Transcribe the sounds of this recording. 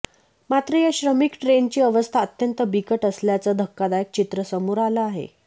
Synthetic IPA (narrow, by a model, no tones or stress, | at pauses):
mat̪ɾəjaɕɾəmikʈɾent͡ɕiːəʋəst̪ʰaət̪jənt̪əbikəʈəsljat͡səd̪ʱəkːad̪ajək̚t͡ɕit̪ɾəsəmuɾalaaɦḛ